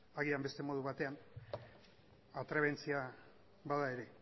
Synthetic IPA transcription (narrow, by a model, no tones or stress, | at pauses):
aɣ̞iambe̞st̪e̞mo̞ð̞uβat̪e̞an | at̪ɾeβe̞nt͡sia | baðae̞ɾe̞